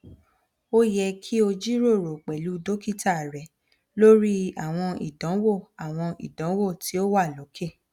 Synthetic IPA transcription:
o˦jɛ˧kʰi˦o˧d͡ʒi˦ɾo˦˨ɾo˨k͡pɛ˨lu˨˦do˦ki˦˨ta˦˨ɾɛ˨ | lo˦ɾi˦a˨w̃ɔ̃˧ḭ˨dɔ̃˨˦wo˦˨a˨w̃ɔ̃˧ḭ˨dɔ̃˨˦wo˦˨ti˨˦o˦wa˦˨lo˨˦kʰe˦˨

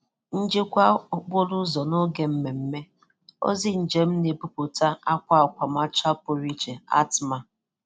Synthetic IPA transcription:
n̩˦d͡ʒe˦kʷa˦ʊ˨k͡po˦lʊ˦zɔ˨no˦ɡe˨m̩˦me˨m̩˦me˦ | o̰˦zi˦n̩˨d͡ʒe˦m̩˦ne˨bu˦po˨ta˦a˦kʷa˦a˨kʷa˨ma˦t͡ʃa˦po˨ɾi˦t͡ʃe˨a̰˦tma˦˨

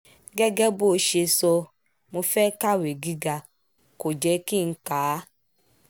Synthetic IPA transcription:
ɡɛ˦ɡɛ˦bo˦ʃe˧sɔ˧ | mo˧fɛ˦ka˦we˨ɡi˦ɡa˧ | ko˨d͡ʒɛ˧ki˦˨n̩˦ka˨˦

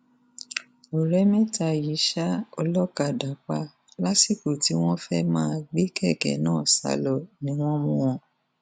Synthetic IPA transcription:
o˨ɾɛ˨˦mĩ˦ta˧ji˨˦ʃa˦ɔ˧lɔ˦ka˧˨da˨˦k͡pa˧ | la˦si˦˨ko˨ti˨˦w̃ɔ̃˦fɛ˦mãː˦˨ɡ͡be˦kɛ˦˨kɛ̰˨˦nãː˦˨sa̰˧˦lɔ˧˨nĩ˨˦w̃ɔ̃˦mũ˦w̃ɔ̃˧˨

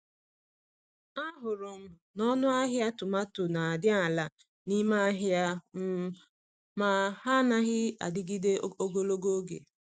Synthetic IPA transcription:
a˦ɦʊ˨ɾʊ˨m̩˦ | nɔ˦nʊ˦a˦ɦja˦tʊ˨ma˦tʊ˨na˨a˨dɪ˦a˨la˨ | ni˦ma˦a˦ɦja˦m̩˦ | ma˦ɦa˦na˦ɣɪ˦a̰˨dɪ˦ɡi˦de˦o˦ɡo˦lo˦ɡo˦ɡḛ˨

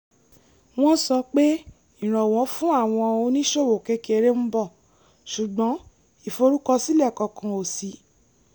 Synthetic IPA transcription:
w̃ɔ̃˦sɔ˧k͡pe˦ | ĩ˦˨ɾ̃ɔ̃˨w̃ɔ̃˨˦fũ˦a˦˨w̃ɔ̃˧o˧nĩ˦ʃo˦˨wo˨ke˨˦ke˧ɾe˦m̩˦bɔ˦˨ | ʃu˨ɡ͡bɔ̃˨˦ | i˦˨fo˧ɾu˦kɔ˧si˦lɛ˦˨kɔ˨˧kã˨o˨si˨˦

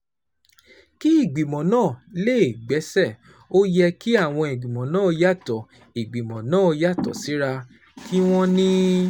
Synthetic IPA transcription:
ki˦i˦˨ɡ͡bi˨mɔ̃˨nãː˦˨le˦˨e˨ɡ͡bɛ˨˦sɛ˦˨ | o˦jɛ˧ki˦a˦˨w̃ɔ̃˧i˨ɡ͡bi˨mɔ̃˨nãː˦˨˧ja˦˨tɔ˨ | i˨ɡ͡bi˨mɔ̃˨nãː˦˨˧ja˦˨tɔ̰˨si˨˦ɾa˧ | kʰi˦w̃ɔ̃˦nĩ˦

